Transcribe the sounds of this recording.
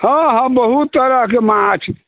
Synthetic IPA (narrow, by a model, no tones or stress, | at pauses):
hə̃ɦə̃mbəɦut̪ːəɾəkemãt͡ʃʰi